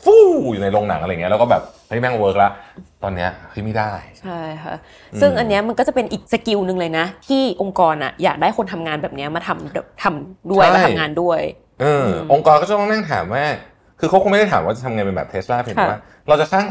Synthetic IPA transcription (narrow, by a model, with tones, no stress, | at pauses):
fuː˥˩juː˨˩na˧jlo˧ŋna̰˩˦ŋʔjŋi˦˥˧lːkɔː˥˩bɛː˨˩p̚ha˥˩jmɛː˥˩wɤː˦˥k̚la˦˥t̪ɔː˧nːi˦˥ɐha˦˥˩jma˥˩jdaː˥˩jt͡ɕʰa˥˩jkʰa̰˦˥ | sɯ˥˩ŋʔa˧nːi˦˥ɐma˧nkɔː˥˩t͡ɕa˨˩pe˧nʔiː˨˩k̚sa˧ki˧wnɯ˨˧ŋlɤː˧jna˦˥t̪ʰiː˥˩ʔo˧ŋkɔː˧nʔa̰˨˩jaː˨˩k̚daː˥˩jko˧nt̪ʰa˧mŋaː˧nbɛː˨˩p̚ni˦˥ɐmaː˧t̪ʰa˧mbɛː˨˩p̚t̪ʰa˧mdu˥˩əjm˦a˧˥t̪ʰajŋaː˧ndu˥˩əj | ʔɤː˧ʔo˧ŋkɔː˧nkɔː˥˩t͡ɕa˨˦t̪ɔ˥na˥˩ŋt̪ʰa̰ː˩˦mːɛː˥˩ | kʰɯː˧kʰa˦˥wku˧ŋma˥˩da˥˩t̪ʰaː˩˦waː˥˩t͡ɕa˨˩t̪ʰŋa˧jpe˧nbɛ̰ː˨˩p̚t̪ʰe˦˥slaː˥˩pʰi˧˩˦ma˦˥˩ | ɾa˧wt͡ɕa˨˩saː˥˩ŋ